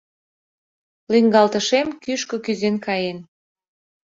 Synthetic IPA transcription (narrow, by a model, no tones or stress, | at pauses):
liŋɡɑlt̪əʃemkyʃkɤ̆kyzenkɑjen